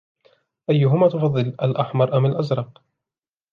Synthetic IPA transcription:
ʔajːʊɦʊmaːt̪ʊfɑðˤːɨlʔalʔaħmɑɾˤʔamalʔazɾˤɑq

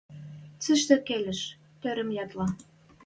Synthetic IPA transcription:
t͡səʃt̪ɘ̆kelɘ̆ʃ | t̪øɾə̆mjɑt̪lɑ

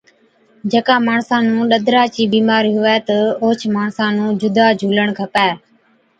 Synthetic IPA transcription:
d͡ʒəkãːmaːɳsãːnũːɗəd̪ʱɾaːt͡ʃiːbiːmaːɾiːɦʊʋɛːt̪əoːt͡ʃʰmaːɳsãːnũːd͡ʒʊd̪aːd͡ʒʱuːləɳkʰəpɛː

